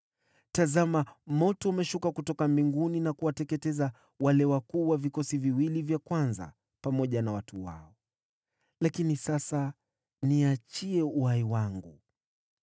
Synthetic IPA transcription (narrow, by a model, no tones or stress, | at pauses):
tazamamɔtɔamɛʃukakutɔkambiŋɡuninakuwatɛkɛtɛza | walɛwakuːwavikɔsiviwilivjakwanza̰ | pamɔʄanawatuwa̰ɔ | lakinisasa | niat͡ʃiɛuhaiwaŋɡṵ